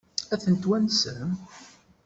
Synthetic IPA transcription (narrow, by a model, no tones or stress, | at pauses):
æθənt̪wænsəm